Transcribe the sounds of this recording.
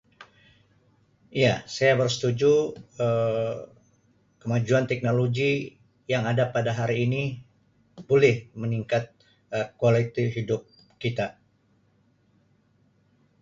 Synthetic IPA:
iasajabərsə̥t̪ud͡ʒuə | kəmad͡ʒuant̪ɛk̚noloɡi | jaŋadapadaɦaɾiːni | b̥olɛhməniŋkat̪̚ | əkualit̪iɦidʊp̚ | kit̪a

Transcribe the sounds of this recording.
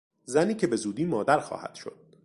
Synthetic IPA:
zæniːcʰe̞be̞zuːd̪iːmɒːd̪æɾxɒ̰ːhæ̰d̪̥ʃo̞̰d̪̥̚

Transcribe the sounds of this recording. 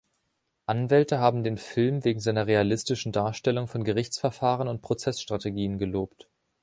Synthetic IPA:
ʔanvɛltəɦaːbm̩deːnfɪlmveːɡŋ̩zaɪnɐʁealɪstɪʃn̩daːɐʃtɛlʊŋfɔnɡəʁɪçt͡sfɛɐfaːʁənʊnt̚pʁ̥ot͡sɛsʃtʁ̥ateɡiːənɡəloːpt

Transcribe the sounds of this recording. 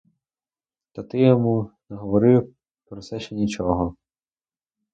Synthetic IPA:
st̪ɐt̪ɪjɔmunɛɦɔʋɔɾɪw | pɾɔt̪sɛʃt͡ʃɛnʲit͡ʃɔɦɔ

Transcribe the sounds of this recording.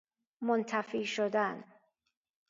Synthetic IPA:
mont̪ʰæfiːʃod̪æn

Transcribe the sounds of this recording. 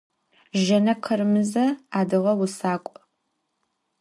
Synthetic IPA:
ʒɐnɐqʰərmɨzɐaːdɨʁɐwʊsaːkʷʼ

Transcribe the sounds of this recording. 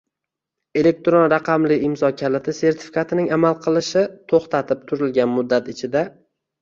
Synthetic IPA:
e̞le̞k̚t̪ɾonɾɑqʰɑmlɪɪmzɒkʲʰalɪt̪ʰɪse̞ɾt̪ʰɪ̥fi̥kʰat̪ʰɪnɪŋamalˠqʰɨlˠɪʃɪt̪ʰoχt̪ʰat̪ʰɪp̚t̪ʰʊɾɪlɡʲanmʊd̪ːat̪ɪt͡ʃʰɪd̪a

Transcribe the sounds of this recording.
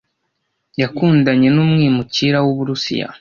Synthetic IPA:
jakuːndaɲe̞numŋiːmuciɾawuβuɾusḭja̰

